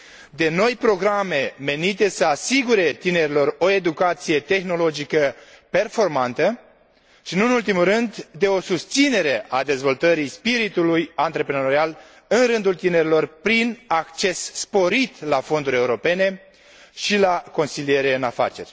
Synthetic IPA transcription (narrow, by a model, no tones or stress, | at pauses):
d̪e̞no̞jpɾo̞ɡɾame̞me̞nit̪e̞səasiɡuɾe̞t̪ine̞ɾilo̞ro̞e̞d̪ukat̪sije̞t̪e̞xno̞lo̞d͡ʒikəpe̞rfo̞rmant̪ə | ʃinuɨnult̪imuɾɨnd̪ːe̞o̞sust̪sine̞ɾe̞ad̪e̞zvo̞lt̪əɾijspiɾit̪ulujant̪ɾe̞pɾenoɾeal | ɨnrɨnd̪ult̪ine̞ɾilo̞rpɾinakt͡ʃe̞sːpo̞ɾit̪lafo̞nd̪uɾʲe̞uɾo̞pe̞ne̞ | ʃilako̞nsilie̞ɾe̞ɨnafa̰t͡ʃe̞rʲ